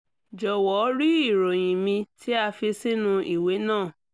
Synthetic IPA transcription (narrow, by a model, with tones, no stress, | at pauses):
d͡ʒɔ˨wɔ˨˦ɾi˦i˦˨ɾo˨j̃ĩ˨mĩ˧tʰi˦a˧fi˧sĩ˦nũ˧i˨we˨˦nãː˦˨